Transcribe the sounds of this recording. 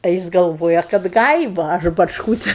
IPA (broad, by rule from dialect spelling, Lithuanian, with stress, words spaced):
ɐ ˈjɪs ɡɐlˠˈʋoːjɛ kɐt ˈɡɐɪʋɐ ɐʃ bɐt͡ʃˈkuːtʲɪ